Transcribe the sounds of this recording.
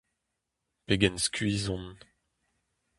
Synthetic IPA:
peɡɛnskɥizɔ̃n

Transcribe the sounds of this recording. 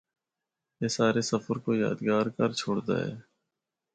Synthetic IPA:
jeːsaːɾesəfəɾkoja̰ːd̪ɡaːɾkəɾt͡ʃʰoːɽd̪a̰ːɦɛ̰ː

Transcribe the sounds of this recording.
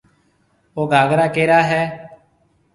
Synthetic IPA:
oːɡʱaːɡɾaːkeːɾaːɦɛː

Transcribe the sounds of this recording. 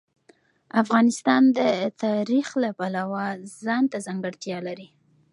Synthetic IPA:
afɣɑnɪst̪ɑnd̪ət̪ɑɾixlapalawazɑnt̪azaŋɡəɽt̪jɑlaɾi

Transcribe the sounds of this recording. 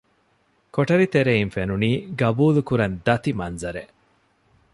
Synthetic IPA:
koʈɐɾit̪eɾeinfenuniːɡɐbuːlukuɾɐnd̪ɐt̪imɐnzɐɾeʔ

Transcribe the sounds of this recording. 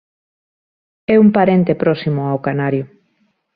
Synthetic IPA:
ɛumpaɾent̪epɾɔsimʊawkanaɾjo

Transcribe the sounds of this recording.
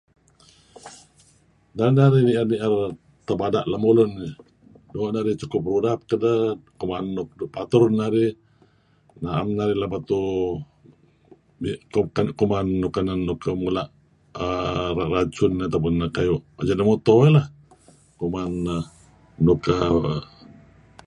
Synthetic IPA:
naɾinaɾiniʔarniʔar | t̪əbadaʔlamuluni | doʔnaɾit͡ʃukʊp̚ɾudap̚kədəkumanːuk̚upat̪uɾnaɾi | naʔamnaɾilahbat̪u | ikkankumanːukananːukəmulaʔ | əarat͡ʃunat̪awp̬ʊnəkajuʔad͡ʒanəmut̪oəlah | kumanː | ukə

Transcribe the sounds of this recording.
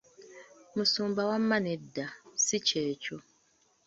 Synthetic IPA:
musuːmbawamːanedːasiceːco

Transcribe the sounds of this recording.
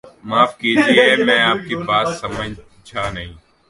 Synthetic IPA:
maːfkiːd͡ʒieeːmɛ̃ːaːp̚kebaːt̪səmə̃ɲ | t͡ʃʰaːnəɦĩː

